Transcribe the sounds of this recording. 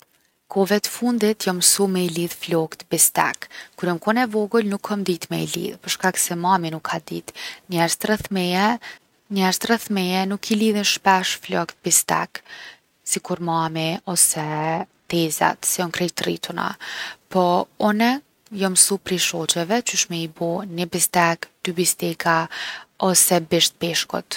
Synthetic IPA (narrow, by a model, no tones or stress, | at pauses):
kʰɔvɛt̪ə̥fund̪it̪jɔmsumɛiliðflɔkt̪bist̪ɛ̰kkːuɾjɔmkɔnɛvɔɡulnukʰːɔmd̪it̪mɛ̰ḭlḭðpəɾʃkaksɛmaminukʰːad̪it̪ɲɛɾzt̪rɛθmɛjɛ | ɲɛɾt̪rɛθmɛjɛnukʰiliðinʃpɛʃflɔkt̪̚bist̪ɛ̰k | sikuɾmamiɔsɛt̪ɛza̰t̪sɛɔnkɾɛjt̪rit̪ʰuna̰pʰɔɔnɛ | jɔmsupɾiʃɔt͡ʃɛvɛt͡ʃyʃmɛibunibist̪ɛkd̪̥ybist̪ikʰaɔsɛbiʃt̪̚piʃkṵt̪